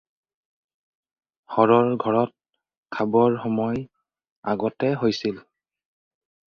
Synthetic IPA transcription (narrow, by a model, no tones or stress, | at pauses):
xɔɹɔɹɡʱɔɹɔt̚ | kʰabɔɹxɔmɔj | a̰ɡɔtɛɦojsil